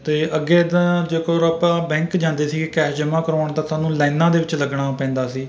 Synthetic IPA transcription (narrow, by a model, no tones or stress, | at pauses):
t̪eːəɡeːd̪ãd͡ʒeːkoɾaːpãːbɛ̃ːŋkd͡ʒãːnd̪eːsiːkɪkɛːd͡ʒəmãːkəɾoːɳt̪ãːsaːnũːlɛ̃ːnãːd̪eːʋɪt͡ʃləɡɳaːpɛ̃ːnd̪aːsiː